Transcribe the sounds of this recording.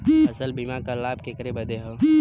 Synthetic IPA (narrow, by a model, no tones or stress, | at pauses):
ɐsəlbimakalaːbkekəɾebɐd̪eɦo